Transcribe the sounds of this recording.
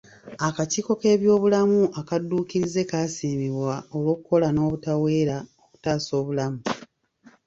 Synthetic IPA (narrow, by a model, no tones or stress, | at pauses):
akaciːko̞ke̞ːβjo̞ːβulamuʔakadːuːkiɾize̞kasiːmiβwao̞lwo̞ːkuko̞lano̞ːβutawe̞ːɾaoku̥taːso̞ːβulamu